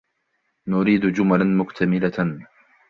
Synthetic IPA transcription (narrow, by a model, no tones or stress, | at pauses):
nʊɾiːd̪d͡ʒʊmalanmʊkt̪ʰamɪla